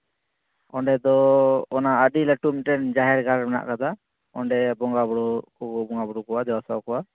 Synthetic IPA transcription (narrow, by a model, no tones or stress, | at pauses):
ɔɳɖɛd̪ɔːnaəɗilaʈumiʈɛnd͡ʒaɦɛɾɡaɾɾmɛna̰ʔkad̪a | ɔɳɖɛbɔŋɡabɔɽɔkɔɡɔbɔŋɡabɔɽukɔwad̪ɛwasawkɔwa